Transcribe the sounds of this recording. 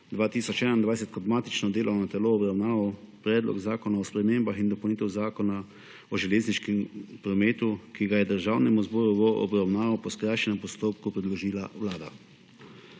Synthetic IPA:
d̪ʋaːt̪iːsɔt͡ʃɛnaind̪ʋajsɛt̪̚kɔd̪maːt̪it͡ʃnɔd̪eːlʔɔwnat̪ɛloɔbɾawnaːʋɐpɾɛːd̪lɔ̰ɡzaːkɔnaɔspɾɛmeːmbaxind̪ɔpɐwniːt̪ɛwzaːkɔna | ɔʒɛleːzniʃkɛmpɾɔmeːt̪ukiɡajɛd̪əɾʒawnɛmuzbɔːɾuʋɔʔɔ̰bɾawnaːʋɐwpɔskɾajʃɛnɛmpɔst̪oːpkupɾɛd̪lɔʒiːlawlaːd̪a̰

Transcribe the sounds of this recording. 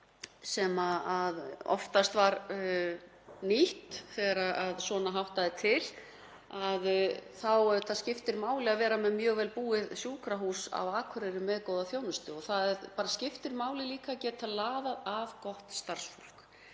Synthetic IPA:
sɛmaaðɔ̰ft̪ast̪vaɾ | niht̪θɛɣaɾaaðsvɔːnaɦawht̪aðɪt̪ʰɪl | aðθawθaðscɪft̪ɪɾmaːwlɪaðvɛːɾamɛðmjœːɣvɛːlpuːɪðsjuːkɾaɦuːsa̰waːkʰʏɾɪɾɪmɛðkowðaθjoːwnʏst̪ʏɔɣθaðɛɾpaːɾascɪft̪ɪɾmaːwlɪliːkacɛːt̪aðlaːðaðavkɔht̪st̪aɾ̥sfɔl̥k

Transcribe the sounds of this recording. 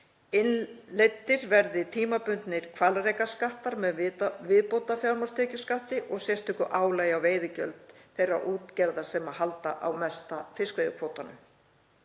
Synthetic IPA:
ɪnlet̪ːɪɾvɛɾðɪt̪ʰiːmapʏnt̪nɪɾ̥kʰvalrejkaskaht̪aɾmɛðvɪðpowt̪afjawɾmḁst̪ʰɛːcʏskaht̪ɪʔɔɣsjɛst̪ʰʏkʏʔaːwlaːjawveːjðɪcœ̰lt̪θejrːa̰ʔuːt̪cɛɾðasɛmahalt̪a̰ʔawmɛst̪afɪskvejðʏkʰvoːwt̪anʏ̰m

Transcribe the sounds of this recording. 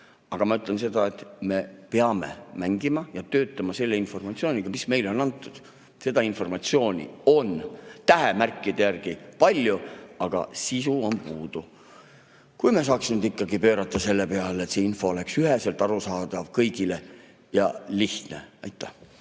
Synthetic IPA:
ɑɡ̥ɑmɑyt̪ːˑlense̞d̪̥ɑe̞t̪me̞peɑme̞̰mæŋɡ̥imɑjɑt̪ø̞ːt̪ːˑɑmɑse̞lːe̞info̞rmɑt̪sio̞ːnʲiɡ̥ɑmisme̞jlo̞nɑnt̪ːˑud̪̥ | se̞d̪̥ɑinfo̞rmɑt̪sio̞ːnʲḭo̞nt̪æɦemærkˑːid̪̥e̞jærɡ̥ipɑlʲjuɑɡ̥ɑ̰sisuo̞npuːd̪̥u | kujme̞s̬ɑːksinud̪ikːˑɑɡipø̞ːɾɑt̪ːˑɑse̞lːepe̞ɑlet̪seːinfo̞ole̞ksyɦese̞lt̪ˑɑɾusɑːd̪̥ɑvkɤjɡ̥ile̞ | jɑliht̪ne̞̰ɑjt̪ːˑæh

